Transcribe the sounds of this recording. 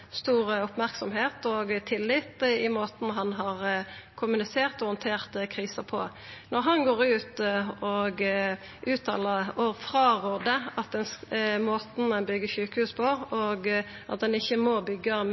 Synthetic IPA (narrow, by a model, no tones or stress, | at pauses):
st̪uːɾəʊpmæʁksɔmɦeːt̪ɔɡt̪ʰɪlːɪt̪ɪmoːt̪n̩ɦɑnɦɑʁkʰʊmʉnɪseːʁt̪ɔhɔnt̪ʰeːʁt̪əkʰʁiːsəpʰɔ̰ | nɔʁɦɑnɡoːɾʉːt̪ɔɡ | ʔʉːt̪ʰɑ̰ːləɔfʁɑːʁoːd̪əɑt̪̚d̪ɛnmoːt̪n̩ɛnbʏɡːəʃʉːkəhʉːspʰɔɔɡʔɑt̪̚d̪ɛnɪçːəmoːbʏɡːɑm